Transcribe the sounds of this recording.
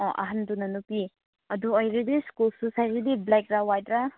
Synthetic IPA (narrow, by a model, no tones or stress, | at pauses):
ɔʔɐ̰ɦandunɐnupi | ɐd̪uɔjɾidiskulsusajɾidiblekɾawajdɾa